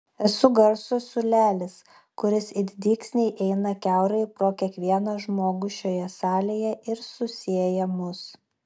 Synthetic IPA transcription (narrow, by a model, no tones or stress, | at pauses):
ɛsʊɡɐɾsʊsʊlʲæːlʲɪs | kʊɾʲɪsɪd̪ʲd̪ʲiːksʲnʲɛɪʔɛɪnɐkʲæʊɾɐɪpɾoːkʲiɛkʋʲiɛnɐʒmoːɡʊʃʲoːjɛsɑːlʲeːjɛʔɪɾsʊsʲiɛjɛmʊs